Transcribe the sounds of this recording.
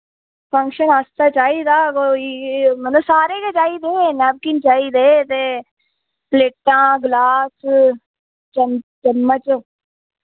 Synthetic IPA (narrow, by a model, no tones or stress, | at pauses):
pʰə̃ŋkʃənaːst̪aːt͡ʃaːiːd̪aːkoimənuːsaːɾeːket͡ʃaːiːd̪eːnɛːb̚kint͡ʃaːiːd̪eːt̪eː | pleːʈːãːɡlaːs | t͡ʃət͡ʃəmːət͡ʃ